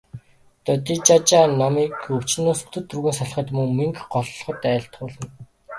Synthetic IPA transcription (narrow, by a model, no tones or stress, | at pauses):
t̪œt̪iːt͡ɕat͡ɕaːnɔmiːkɵw̥t͡ɕnʊːsu̥t̪ʰɵ̆t̪ːruɣiːnsɔɮχə̆t̪mɵŋmiŋkɢɔɮɮχɞ̆t̪æːɬt̪̚ɢʊːɮə̆n